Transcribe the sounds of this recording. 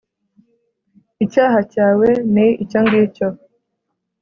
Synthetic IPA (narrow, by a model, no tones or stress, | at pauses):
icaːɦacaːwe̞niicoŋɡico